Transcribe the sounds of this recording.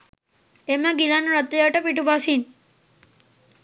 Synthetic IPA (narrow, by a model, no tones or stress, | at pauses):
emaɡilanuɾɐt̪ːɐjaʈəpiʈubasin